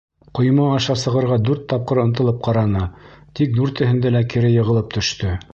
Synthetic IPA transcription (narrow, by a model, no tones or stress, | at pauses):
qŏj̆mɑːʃɑsɤ̆ʁɤ̆ɾʁɑd̪ʉɾt̪ːɑp̚qɤɾɤ̆nt̪ɤ̆lˠɤp̚qɑɾɑnɤt̪ik̚d̪ʉɾt̪ɘ̆ɦɘ̆nd̪ælækɘ̆ɾɘjɤ̆ʁɤ̆lˠɤp̚t̪ɵ̆ʃt̪ɵ